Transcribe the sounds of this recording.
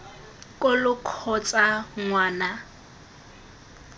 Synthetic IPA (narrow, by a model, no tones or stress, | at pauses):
kʼʊlʊkʰɔt͡sʼaŋwaːna